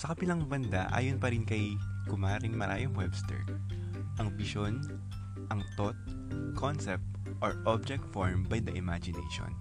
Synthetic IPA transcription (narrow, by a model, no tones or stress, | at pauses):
sɐkɐbɪlɐŋbɐnd̪aʔa̰ːjonpɐɾɪnkɐjkʊmaːɾɪŋmɐɾʔaːjɐmwɛbst̪ɛ̰ɹ | ʔɐŋbɪʃon | ʔɐŋt̪ot̪̚ | kʰonsɛp̚t̪ | ʔoɹʔob̚d͡ʒɛk̚t̪foɹmbɐjd̪ɐʔɪmad͡ʒɪnɛ̰jʃo̰n